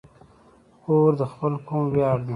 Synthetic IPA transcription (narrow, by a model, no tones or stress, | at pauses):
oːɾd̪əxpəlkʰʊmwjɑːɽn